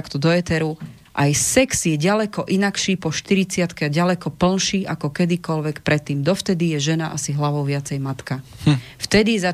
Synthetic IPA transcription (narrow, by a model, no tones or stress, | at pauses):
akt̪ɔd̪ɔɛt̪ɛɾu | ʔajsɛksjɛɟalɛkɔʔinakʃiːpɔʃt̪iɾit͡sɪat̪kɛaɟalɛkɔpl̩nʃiːʔakɔkɛd̪ikɔlʋɛkpɾɛt̪ːiːmd̪ɔft̪ɛd̪ijɛʒɛnaʔasiɦlaʋɔʊʋɪat͡sɛjmat̪kaft̪ɛd̪iza